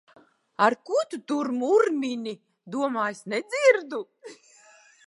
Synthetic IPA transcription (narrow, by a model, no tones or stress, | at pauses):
aɾkut̪ut̪uɾmuɾmʲinʲi | d̪uɔmaːjsnɛd̪ziɾd̪u